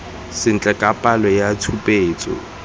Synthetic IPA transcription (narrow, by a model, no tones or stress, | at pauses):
sɪn̩t͡ɬʼɛkʼapʼalɔjatʰupʼeːt͡sʼɔ̰